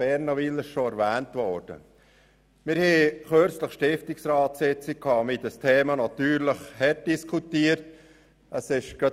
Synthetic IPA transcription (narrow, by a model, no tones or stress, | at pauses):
b̥ɛɾnɑʋilɪʃʃoɛɾvæːntʋɔɾd̥ə̰ | mɪɾhɛːχøɾt͡sləχʃtɪftɪksɾɑːtsɪt͡sɪkkʰːɑːmɪdəstʰeːmɑnɑt̪yːɾləχhɛt̚d̥iskʰutiəɾt | əsɪʃɡ̥ɑ